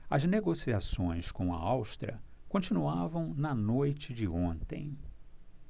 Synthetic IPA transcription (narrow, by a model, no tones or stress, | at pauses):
ɐ̰zneɡosiasõj̃skõw̃ɐ̰awst̪ɾɐ̰kõnt͡ʃinuavɐ̃w̃nɐnojt͡ʃɪd͡ʒɪõnt̪ḛ̃j̃